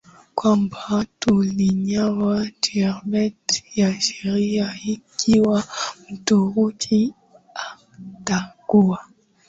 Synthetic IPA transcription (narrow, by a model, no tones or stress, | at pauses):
kwambatuliɲawadiaɾbɛtjaʃɛɾiaikʰiwam̩tuɣukʰi | a | taɡ̥ua